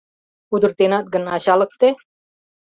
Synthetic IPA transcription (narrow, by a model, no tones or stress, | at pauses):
ud̪ʊɾt̪enat̪̚ɡənaɕalək̚t̪e